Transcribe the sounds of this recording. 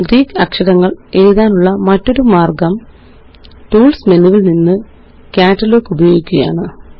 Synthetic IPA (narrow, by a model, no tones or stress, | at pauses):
ɡɾiːkːɐkʂɐɽɐŋːɐɭeːjuðaːnuɭːɐmɐtːo̞ɾumaːrɡɐm | ʈuːlsmenuʋilninːɨ | kʲaːʈːɐlo̞ːkːubɐjo̞ːɡikʲːuɣɐja̰ːɳɨ